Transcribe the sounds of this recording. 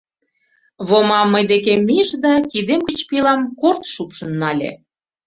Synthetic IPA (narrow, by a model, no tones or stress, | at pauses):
βomɑmːəjd̪ekemʲːiʒd̪ɑkid̪emkət͡ɕpilɑmkort̪ʃupʃə̆nːɑlʲḛ